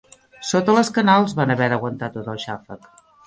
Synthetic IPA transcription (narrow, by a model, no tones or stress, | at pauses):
sot̪ələskənalˠzβanəβɛɾəɣwənt̪at̪ot̪əlˠʃafək